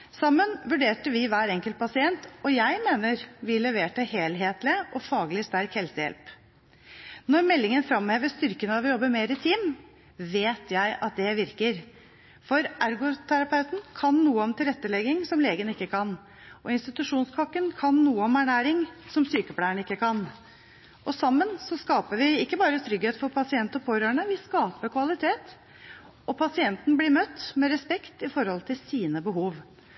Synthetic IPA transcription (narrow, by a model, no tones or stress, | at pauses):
sɑmːənʋʉɖeːʈəʋɪʋæːɾɛŋkəlt̪̚pʰɑsɪɛnt̪ɔjæɪmeːnəɾʋɪlɛʋeːʈəheːlɦeːt̪lɪəʔɔfɑːɡlɪst̪æɾkhɛlsəjɛ̰lp | nɔɾmɛlːɪŋənfɾɑmheːʋəst̪ʏɾkənəɑʋɪjɔbːəɾmeːɾɪt̪ʰiːm | ʋeːt̪ʰjæɪʔɑt̪̚d̪ɛʋɪɾkəɾ | fɔɾʔæɾɡʊt̪ʰæɾɑpʰɑʉt̪n̩kʰɑnːuːəɔmt̪ʰɪlɾɛt̪ːəlɛɡɪŋsɔmleːɡənɪkːəkʰɑn | ʔɔɪnst̪ɪt̪ʉʂuːnskʰɔkːənkʰɑnːuːəɔmæɳæːɾɪŋsɔmsyːkəpʰɽæːəɳɪkːəkʰɑn | ʔɔsɑmːənsɔskɑːpəʋɪɪkːəbɑːɾət̪ʰɾʏɡheːt̪fɔɾpʰɑsɪɛnt̪ɔpʰoːɾøːɳəʋɪskɑːpəkʰʋɑlɪt̪ʰeːt̪ | ɔpʰɑsɪɛnt̪n̩blɪɾmœt̪ːmɛɾɛspɛkt̪ɪfɔɾhɔlt̪ʰɪlsiːnəbəɦuːʋ